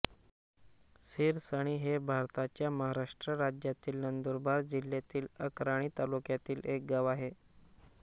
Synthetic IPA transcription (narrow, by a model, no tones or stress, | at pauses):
siɾsaɽ̃iɦebʱaɾt̪at͡ɕjaməɦaɾaʂʈɾəɾad͡ʑjat̪iːlnənd̪oɾbʱaɾd͡ʑilːjat̪iːləkɾaɽ̃iːt̪alukjat̪iːlek̚ɡaʋaɦe